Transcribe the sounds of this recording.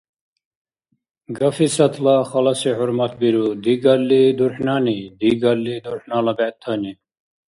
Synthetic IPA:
ɡɐfisɐt̪ʰlɑxɐlɐsihʊɾmɐt̪biɾud̪iɡɐlːid̪uɾħnaːnid̪iɡɐlːid̪uɾħnaːlɐbɛt̪ʰːɐni

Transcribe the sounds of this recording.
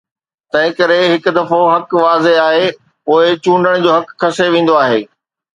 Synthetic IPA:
t̪ɐ̃ɦɪ̃kɐɾeɦɪkd̪ɐfoɦɐkʋaːzeaːɦe | poːɪt͡ɕũːɳɖəɽ̃d͡ʑoːɦɐkkʰːɐseʋẽːn̆d̪oaːɦḛː

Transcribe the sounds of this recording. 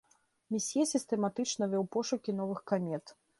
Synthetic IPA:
mʲisʲjɛsʲist̪ɛmat̪ɨt͡ʂnɐvʲɔwpɔʂukʲin̪ɔvɨxkamʲɛt̪

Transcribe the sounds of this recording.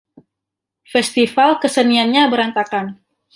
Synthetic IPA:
fɛst̪ifalkəsənianɲabəɾant̪akan

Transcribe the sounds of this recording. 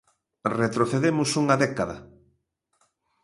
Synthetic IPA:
ret̪ɾoθeðemʊsuŋaðɛkaðɐ

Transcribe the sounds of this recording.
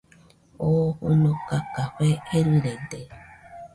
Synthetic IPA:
ohunokakaɸeeɾɨɾend̪e

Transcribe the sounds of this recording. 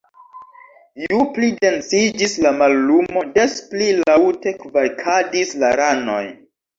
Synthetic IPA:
juplide̞nsid͡ʒislamalːumo̞desplilawte̞kvajkʰadislaɾano̞̰j

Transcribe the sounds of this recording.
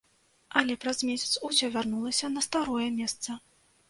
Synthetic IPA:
ɐlʲɛpɾɐzmʲesʲɐt̪susʲɔvʲarnulˠɐsʲɐnɐst̪aɾɔjɛmʲɛst̪sɐ

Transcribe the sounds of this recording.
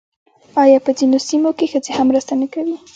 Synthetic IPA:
ɑjɑpəzinosimokexəzehamːɾəst̪anakawi

